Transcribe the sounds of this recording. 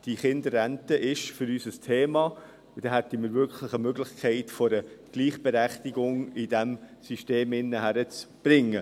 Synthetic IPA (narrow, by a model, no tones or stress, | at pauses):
d̥iχɪndəɾæntəʔɪʃfʏɾysəstʰeːmɑ | d̥̪ɛɦætəmɪːɾvʏɾkʰləχəmøɡlɪχkʰɛɪtfɔɾəɡ̥liːχb̥ɛɾæχtiɡʊŋɪd̥æmsyʃteːmɪnːəɦæɾət͡sb̥ɾɪŋːə